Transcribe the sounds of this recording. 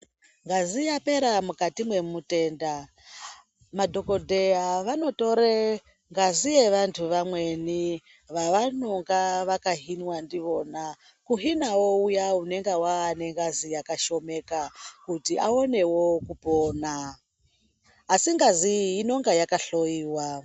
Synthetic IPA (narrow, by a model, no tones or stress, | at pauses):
ŋɡazijape̞ɾamukatimwe̞mute̞ːnda | madʱoko̞dʱe̞aʋano̞to̞ɾe | ŋɡazijeʋantʰuʋamwe̞ni | ʋaʋanoŋɡaʋakaɦinwandiʋo̞na | kuɦinawoujaune̞ŋɡewaːne̞ŋɡazijakaʃo̞me̞kakutiʔaone̞wo̞kupoːna | siŋɡaziːno̞ŋɡajakaɬo̞iːwa